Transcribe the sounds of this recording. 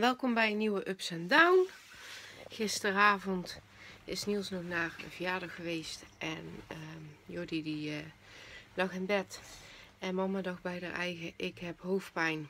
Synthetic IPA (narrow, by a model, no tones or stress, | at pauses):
ʋɛlˠkɔmbɛjənːiwəʔøpsɛndawn | ɣɪstəraːvɔnt | ɪsnilˠsnɔxnaːrəvəjaːdɑxəʋejstʔɛnəjodidiə | lɑxɪnbɛt | ɛnmɑmadɑxbɛjdə̰rʔɛ̰jɣəʔɪkɦɛpɦowfpɛjn